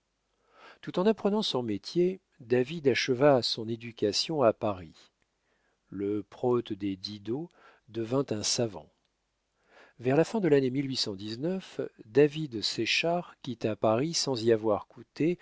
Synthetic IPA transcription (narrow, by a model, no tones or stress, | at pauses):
t̪ut̪ɑ̃napχənɑ̃sɔ̃met̪je | d̪avid̪aʃəvaːsɔ̃ned̪ykʲasjɔ̃apaʁi | ləpχɔt̪d̪ed̪id̪o | d̪əvɛ̃t̪ɛ̃savɑ̰̃ | vɛʁlafɛ̃d̪əlanemilɥisɑ̃d̪iznœfd̪avid̪seʃaʁkʲit̪apaʁisɑ̃ziavwaʁkut̪e